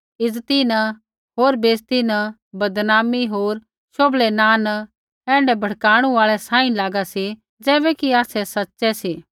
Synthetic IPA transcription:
ɪd͡zt̪inɐ | ɦoːɾbeːst̪inɐ | bɐd̪naːmiɦoːɾ | ʃoːblɛnaːn | ɛ̃ːɳɖɛbʱɐɽkaːɽ̃uaːɭɛsãːĩlaːɡasi | d͡zɛːbɛkiaːsɛsɐtːʃɛsiː

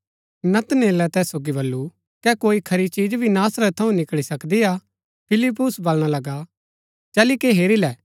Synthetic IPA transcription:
nɐt̪neːlɛt̪ɛːsːoːɡibɐlːu | kɛkoːikʰɐɾit͡ʃiːd͡ʒbʱinaːsɾət̪ʰːɐũnɪkɭisɐkd̪ia | pʰɪlɪp̬ːʊsbɐlɽ̃alɐɡa | d͡ʒɐːlikeɦeːɾilɛː

